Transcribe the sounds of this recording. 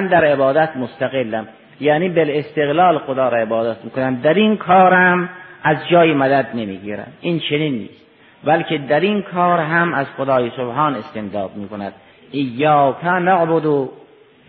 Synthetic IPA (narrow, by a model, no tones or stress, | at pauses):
nd̪æɾebɒːd̪æt̪most̪æɣelːæm | jæːniːbelest̪eɣlɒːlxod̪ɒːɾɒebɒːd̪æt̪miːkonæmd̪æɾinkʰɒːɾæmʔæzd͡ʒɒːjemæd̪æd̪nemḭːɡiːɾæ̰mʔint͡ʃʰeniːnːḭːst̪ | bælked̪æɾinkʰɒːɾɦæmæzxod̪ɒːjesobhɑːnest̪end̪ɒːd̪̚miːkonæd̪̥̚ | ʔijːɑːkʰænæʕbod̪o